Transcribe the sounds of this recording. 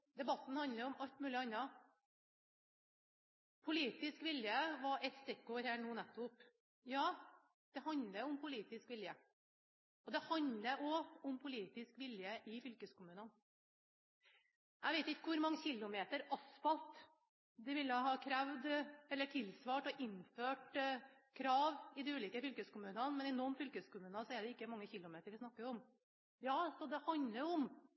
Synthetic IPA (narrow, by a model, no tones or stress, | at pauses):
d̪ɛbɑt̪ːn̩hɑnləɾʊmɑlt̪mʉːlɪɑnːɑ | pʰʊliːt̪ɪskʋɪljəʋɑɾɛt̪st̪ɾɛkːoːɾhæːnuːnɛt̪ːʊp | jɑː | d̪̥ɛhɑnd̪ləʊmpʰʊliːt̪ɪskʋɪljə | ɔd̪ɛhɑnd̪ləʔɔʊmpʰʊliːt̪ɪskʋɪljəʔɪfʏlkəskʰʊmʉːnən | jʔæɪʋeɪt̪ɪkːəkʋʊɾmɑŋːəçɪlːʊmeːt̪əɾɑsfɑlt̪ | d̪ɛʋɪlɑhɑːkʰɾæʋd̪ɛlːəʈʰɪlsʋɑːʈɔʔɪnːføːʈkʰɾɑːʋɪd̪ɛʉːliːkəfʏlkəskʊmʉːnənmɛnɪnɔmfʏlkəskʊmʉːnɑsɔɛɖɛɪkːəmɑŋːəçɪlːʊmeːt̪əɾʋɪsnɑkːəɾɔm | jɑːsɔd̪ɛhɑnd̪ləɾɔm